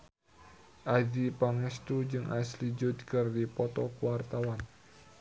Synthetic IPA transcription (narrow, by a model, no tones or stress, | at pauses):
ʔadipaŋɛst̪ud͡ʒɨŋʔaslid͡ʒʊd̪̚kɨrdipɔt̪ɔkuwart̪awan